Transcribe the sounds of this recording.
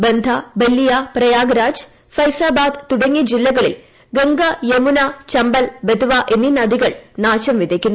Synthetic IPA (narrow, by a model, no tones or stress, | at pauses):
bend̪ʱɐbelːijaprɐjaːɡɐɾaːd͡ʑ | fɐjsaːbaːd̪t̪uɽɐŋːid͡ʑilːɐɣɐɭḭl | ɡeŋɡɐjemunat͡ɕɐmbɐlbed̪uʋaʔe̞nːinɐd̪iɣɐɭnaːɕɐmʋid̪ʱekʲːunː